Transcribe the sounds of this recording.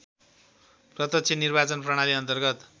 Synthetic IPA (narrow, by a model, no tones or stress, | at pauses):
prʌt̪ʌsʰenirbat͡sʌnprʌɽ̃aliʌnt̪ʌrɡʌt̪